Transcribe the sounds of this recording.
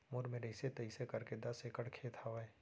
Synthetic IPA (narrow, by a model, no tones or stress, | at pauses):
mʊɾmẽɾɐɪset̪ɐisekɐɾked̪ɐsekəɽkʰeːt̪ʰaːʋae